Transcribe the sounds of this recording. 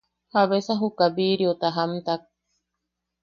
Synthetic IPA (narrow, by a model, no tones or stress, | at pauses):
haβesaɦukabiɾiot̪aɦamt̪ak̚